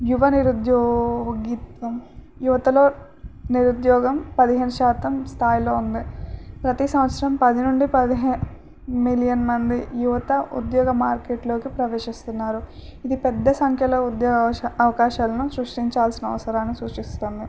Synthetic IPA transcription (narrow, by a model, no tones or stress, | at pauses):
juʋɐniɾud̪joːɡit̪ʋɐm | juʋɐt̪ɐlo̞ː | niɾud̪jɔːɡɐmpɐd̪iɦeːnuʃaːt̪ɐmst̪ʰaːjlo̞ːund̪ipɾɐt̪isɐmʋɐt̪sɐɾɐmpɐd̪inuɳɖipɐd̪iɦe | milijɐnmɐnd̪ijuʋɐt̪ɐṵd̪jɔːɡɐmaːɾkeːʈlo̞ːkipɾɐʋeːʂist̪unːaːɾuid̪ipɛd̪ːɐsɐŋkʰjɐlɐud̪jɔːɡɐʋɐkaːʃaːlɐnusɾuʂʈiɲt͡ʃaːlsinɐʋɐsɐɾaːnːisuːt͡ʃist̪oːnd̪i